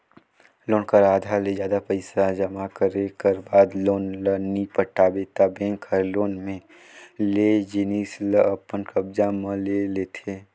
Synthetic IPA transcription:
loːnkəɾaːd̪ʱaled͡ʒjaːd̪apəɪsad͡ʒəmakəɾekəɾbaːd̪loːnlənipəʈaːbet̪abẽːŋkʰəɾloːnmẽ | led͡ʒɪniːsləəpənkəbd͡ʒamə̃leleːt̪ʰe

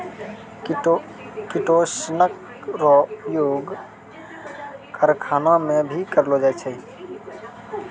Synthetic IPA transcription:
kiʈosnək | ɾɔjoɡ | kəɾkʰanamẽbʱikəɾlod͡ʒajt͡ʃʰɛ

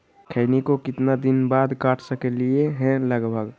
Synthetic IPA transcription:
kʰəɪnikokɪt̪nad̪ɪnbaːd̪kaːʈʰsəkelieɦɛ̃ləɡbʱəɡ

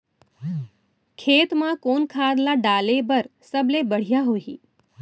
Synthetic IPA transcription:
kʰeːt̪mãkonkʰaːd̪laɖalebəɾsəblebəɽ̤ijaɦoɦḭː

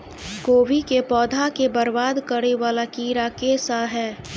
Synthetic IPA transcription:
koːʋikepɔːd̪ʱakebəɾbaːd̪kəɽeʋaːlakiːɾakeːsaɦɛː

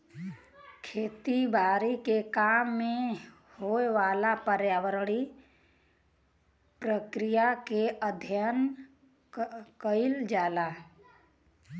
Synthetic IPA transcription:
kʰeːt̪ibaːɾikekaːmːẽ | hoeʋaːlapəɾjaːwəɾɽi | pɾəkɾijakeʔəd̪ʱjən | kəɪld͡ʒaːla

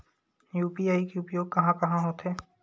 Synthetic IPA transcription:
juːpiaːikeʊpjoːɡ̚kɐɦãkɐɦãɦoːt̪ɦɛː

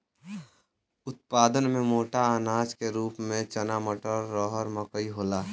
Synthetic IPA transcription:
ʊt̪̚paːd̪ənmẽmoːʈaanaːd͡ʒkeɾuːpmẽt͡ʃənaməʈəɾːɔːɦəɾməkəiɦoːlaː

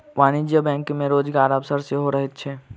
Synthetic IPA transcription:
ʋaːñid͡ʒjəbɛ̃ːŋkmẽɾoːd͡ʒɡaːɾɐʋsəɾseɦoɾəɦet̪̚t͡ʃʰɛː

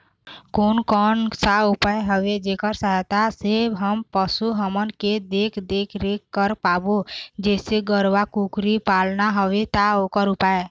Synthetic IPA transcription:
konkɔnsaupaeɦəʋed͡ʒekəɾsəɦt̪asebɦəmpəsuɦəmənked̪ekʰd̪ekʰɾekːəɾpabod͡ʒeseɡəɾʋakukɾipalnaɦəʋet̪aokəɾupae

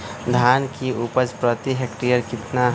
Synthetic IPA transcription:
d̪ʱaːnkiʔupəd͡ʒpɾət̪iɦekʈijəɾkɪt̪na

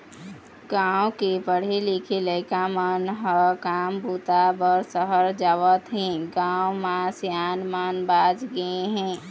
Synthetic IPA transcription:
ɡawkepəɽ̤elikʰeləɪkamənɦəkambut̪abəɾsəɦəɾd͡ʒaʋət̪ɦĩɡãwmasjanmanbad͡ʒɡəeɦɛ̃

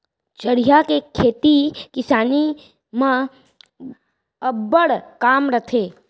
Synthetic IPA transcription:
t͡ʃəɽijakekʰeːt̪ikɪsaːni | mã | əbəɽkaːmɾət̪ʰeː

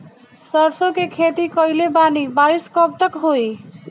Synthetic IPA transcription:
sɔɾsõkekʰet̪ikɔilebanibaɾiskɔb̚t̪əkɦoi

